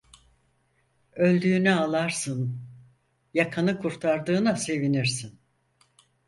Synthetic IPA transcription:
ø̞lʲd̪yːnɛalˠaɾsɯn | jakʰanɯkʰuɾt̪ʰaɾd̪ɯːnase̞viniɾsin

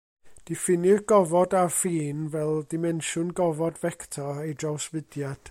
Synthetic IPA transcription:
d̥ɪfɪnɪɡ̥ɔvɔdafiːnvɛlˠdɪmɛnʃʊnɡɔvɔdvɛktʰɔejdrawsvɨd̥jad̥

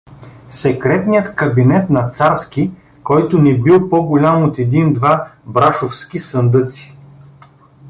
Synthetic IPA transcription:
sɛkɾɛt̪nijət̪kɐbinɛt̪nɐt̪saɾskʲi | kɔjt̪ʊnɛbilˠpɔɡʊlʲamot̪ɛd̪ind̪vabɾaʃofskʲisənd̪ɤt̪si̥

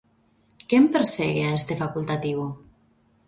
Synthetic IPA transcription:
kempeɾseɣeaest̪efakulˠt̪at̪iw

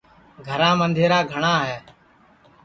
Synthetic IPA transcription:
ɡʱəɾãːmənd̪ʱeːɾaːɡʱəɳãːɦɛː

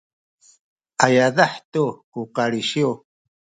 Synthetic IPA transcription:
ajaðaħt̪ukuqaɾiʃiu

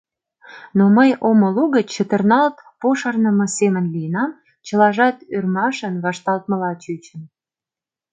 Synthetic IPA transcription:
noməjoməluɣət͡ɕət̪ə̆rnɑlt̪poʃɑrnə̆mɤ̆semə̆nlijənɑm | t͡ɕə̆lɑʒɑt̪yrmɑʃənβɑʃt̪ɑlt̪̚mə̆lɑt͡ɕyt͡ɕə̆n

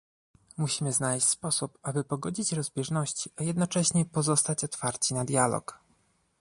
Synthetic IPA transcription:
muɕimɘznalɛɕt͡ɕʲspɔsupabɘpɔɡɔd͡ʑit͡ɕɾɔzbʲjɛʐnɔɕt͡ɕiʔajɛd̪nɔt͡ʂɛɕɲɛpɔzɔst̪at͡ɕɔt̪faɾt͡ɕinad̪jalɔ̰k

